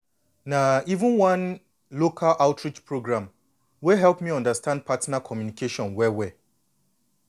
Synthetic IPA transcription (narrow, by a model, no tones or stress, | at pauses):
naivũnwãn | lokʰalʔaʊtʰɹit͡ʃpʰɹoɡɹãm | weɦɛlˠpmiɔ̃ndastʰãnd̚pʰatnakʰɔmjunikʰeʃɔ̃nwɛwɛ